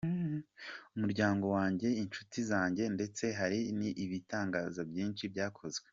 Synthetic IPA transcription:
umuɾɟaːŋɡo̞waːɲɟe̞int͡ʃutizaːɲɟe̞nde̞t͡se̞ɦaɾiniʔiβitaːŋɡaːzabjiːnʃibɟaːkʰo̞zɡwe̥

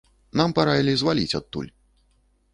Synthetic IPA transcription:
nampaɾajʲilʲizvalʲḭt͡sʲat̪ːṵlʲ

